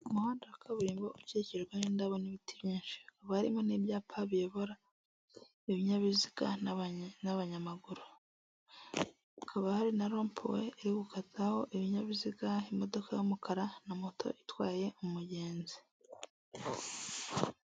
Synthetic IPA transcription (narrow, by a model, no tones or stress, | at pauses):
umuhaːndawakʰaβuɾiːmbouce̞ːceɡwanindaβo̞niβitiβjiːnʃi̥akaβahaɾḭmoneβjaːpʰaβieβo̞ɾa | eβiɲaβiziɡa | naβaɲamaɡuɾu | ukʰaβahaɾinaɾo̞ːmpʰo̰wḛeɾiɡukʰataho̞ʔeβiɲaβiziɡaimo̞do̞kʰajomukʰaɾanamotʰo̞̰ʔitwaːje̞ʔumuɟe̞ːnzi̥